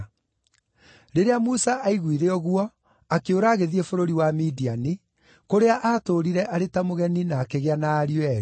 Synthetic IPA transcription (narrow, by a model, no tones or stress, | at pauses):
ɾeɾeamusaʔaiɣwiɾeɔɣwɔ | akeoɾaːɣeðiefoɾoɾiwamidiani | koɾeaʔaːtoɾiɾɛʔaɾetamoɣɛninaːkeɣeanaːɾjɛɾ